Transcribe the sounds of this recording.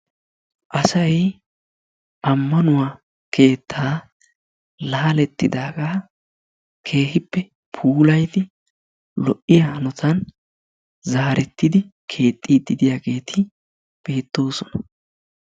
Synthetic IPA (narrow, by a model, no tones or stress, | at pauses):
ʔɐsɐj | ʔɐmːɐnʊwaː | kʰe̞ːt̪ʰːaː | laːlɛt̪ːɪ̰d̪aːɡaː | kʰe̞ːhɪpːɛ | pʰuːlɐjd̪ɪ | lɔʔɪjanɔt̪ʰɐn | zaːɾɛt̪ːɪd̪ɪkʰe̞ːt̪ʼːid̪ɪd̪ɪjaːɡe̞ːt̪ʰɪ | b̥e̞ːt̪ːo̞ːsɔnɐ